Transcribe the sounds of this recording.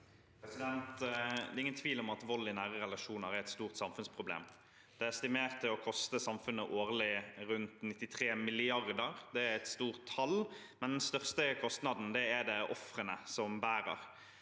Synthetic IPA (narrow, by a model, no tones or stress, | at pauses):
pʰɾɛsɪd̪ɛnt̪d̪ɛːɾɪŋənt̪ʰʋiːlɔmɑt̪ʋɔlːɪnæːʁəɾɛlɑʂuːnəʁæɾɛt̪st̪uːʁt̪sɑmfʉnspʰʁʊblḛːm | d̪̥ɛæʁst̪ɪmeːʁt̪ʰːɪlɔkʰɔst̪əsɑmfʉnːəʔoːʁlɪʁʉnt̪nɪt̪ːɪt̪ʰʁeːmɪlɪɑʁd̪əʁd̪ɛæɾɛt̪st̪uːʁt̪ʰːɑl | mɛnd̪ɛnst̪œʁst̪əkʰɔst̪nɑd̪n̩d̪ɛæd̪ɛʔɔfʁənəsɔmbæːɾə̰ɾ